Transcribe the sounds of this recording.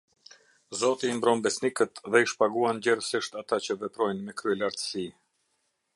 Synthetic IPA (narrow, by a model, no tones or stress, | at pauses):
zɔt̪iːmbɾɔnbɛsnikət̪ðɛiʃpaɡuanɟɛɾəsiʃt̪at̪at͡ɕəvɛpɾɔjnmɛkɾyɛlaɾt̪ə̥si